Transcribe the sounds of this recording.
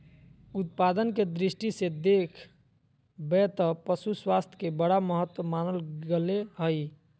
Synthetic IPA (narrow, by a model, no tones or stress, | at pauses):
ut̪̚pad̪ənked̪ɾisʈised̪ekʰ | bɛt̪əpəsuswast̪ʰkebəɽaməɦət̪wəmanəlɡeleɦəj